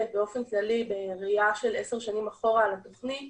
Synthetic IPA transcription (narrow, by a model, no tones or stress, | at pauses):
beo̞fenklalibeʁiaʃe̞leseʁʃanimaχo̞ʁaːlat̪o̞χnit